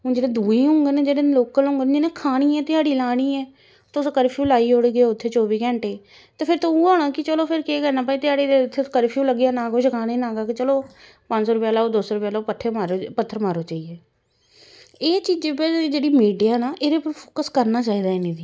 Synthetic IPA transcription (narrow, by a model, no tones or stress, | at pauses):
d͡ʒeːɽẽːd̪uːiːɦõŋɡənẽːd͡ʒeːɽẽːloːkəlɦõːŋɡənːd͡ʒenẽːkʰaːɽ̃iːɛːt̪ɪaːɽiːlaːɽ̃iːɛː | t̪ːskəɾpʰjuːlaːiːɦʊɽɡeʊt̪ʰːeːt͡ʃɔːbiːkɛ̃ːɳʈeː | t̪eːpʰɪɾt̪ouːaːɽ̃aːkɪt͡ʃəloːpʰɪɾkeːkɛɾnaːpaːiːt̪ɪaːɽeːeʊt̪ʰːekəɾpʰjũːləɡjaːnãːkoʃkʰaːneːnaːɡaːkɪt͡ʃəloː | pə̃ɲd͡ʒsoːɾʊpjaːlaːod̪ʊsɾʊpjaːlaoːpət̪ʰːeːmaɾpət̪ʰːəɾmaːɾoːt͡ʃaːiːeː | eːt͡ʃiːd͡ʒeped͡ʒeːɽiːmiːɖijaːnaːʔeɾeːpəɾpʰoːkəskəɾnaːt͡ʃaːiːd̪aːeːneːd̪iː